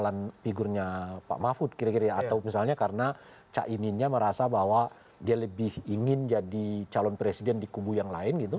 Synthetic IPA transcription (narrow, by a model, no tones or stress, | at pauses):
lanpiɡʊrɲapa̰ʔmafʊt̪̚kiɾakiɾaat̪awmisalɲakarəna | t͡ʃa̰ʔiminɲaməɾasabahwa | dialəbɪhiŋɪnd͡ʒadit͡ʃalɔnpɾesidɛndikubujaŋlaɪnɡit̪u